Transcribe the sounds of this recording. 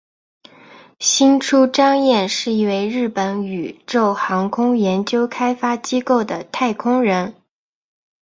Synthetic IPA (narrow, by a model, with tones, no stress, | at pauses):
ɕi˥nʈ͡ʂʰu˥ʈ͡ʂɑ˥ŋjɛ˥˧nʂɻ̩˥˧i˥˩˧we˥˧ɪɻɻ̩˥˩pə˧˥ny˨˩ʈ͡ʂo˥˩ʊxɑ˧˥ŋkʰʊ˥ŋjɛ˧˥nt͡ɕjo˥ʊkʰa˥ɪfa˥t͡ɕi˥ko˥˩ʊd̪ə˩t̪ʰa˥˩ɪkʰʊ˥ŋɻə˧˥n